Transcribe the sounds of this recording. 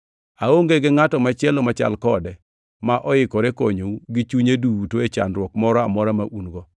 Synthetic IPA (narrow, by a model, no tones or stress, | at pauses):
aoŋɡeɡɪŋatɔmat͡ʃɛlɔmat͡ʃa̰lkɔdɛ | maʔɔɪkɔɾekoɲouɡɪt͡ʃuɲeduwutoet͡ʃa̰nɾwɔkmɔɾɔa̰mɔɾamaʔunɡɔ